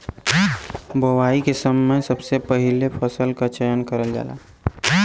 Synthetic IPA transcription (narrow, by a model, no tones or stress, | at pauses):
bowaːikesəmːəjsɐbsepɐɦɪlepʰəsəlkat͡ʃəjənkəɾəld͡ʒa̰ːla̰ː